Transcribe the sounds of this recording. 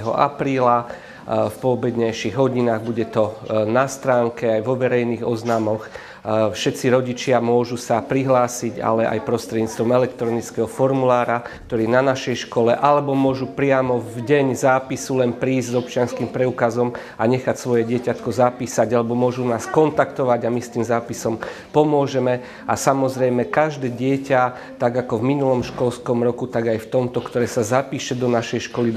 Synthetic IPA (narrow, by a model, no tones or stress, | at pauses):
ɦɔ̰ʔa̰pɾiːla | fpɔɔbɛd̪ɲɛjʃiɣɦɔɟinaːɣbuɟɛt̪ɔnast̪ɾaːŋkɛajʋɔʋɛɾɛjniːɣɔznaːmɔx | fʃɛt̪t͡siɾɔɟit͡ʃɪamʊɔʒusapɾiɦlaːsiɟa̰lɛʔa̰jpɾɔst̪ɾɛd̪ɲiːt͡st̪ʋɔmɛlɛkt̪ɾɔnit͡skɛɦɔfɔɾmulaːɾakkt̪ɔɾiːɛnanaʃɛjʃkɔlɛʔalɛbɔmʊɔʒupɾɪamɔvɟɛɲzaːpisulɛnpɾiːzzɔp̚t͡ʃɪanskimpɾɛukazɔm | aɲɛxacsʋɔjɛɟɪɛcat̪kɔzapiːsaɟalɛbɔmʊɔʒunaːskɔnt̪akt̪ɔʋaɟamist̪iːmzaːpisɔm | pɔmʊɔʒɛmɛ | asamɔzɾɛjmɛkaʒd̪ɛːɟɪɛca | t̪aɡakɔvminulɔmʃkɔlskɔmɾɔkut̪aɡajft̪ɔmt̪ɔkt̪ɔɾɛːsazapiːʃɛd̪ɔnaʃɛjʃkɔli